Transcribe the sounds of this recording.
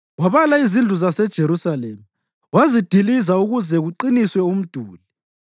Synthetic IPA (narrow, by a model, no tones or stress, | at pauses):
waβalaizind͡ɮʱuzasɛd̥ʒ̥ʱeɾusalḛːmi | wazid̥ʱilizauɣuzɛɣuǃiniswɛum̩d̥ʱuːli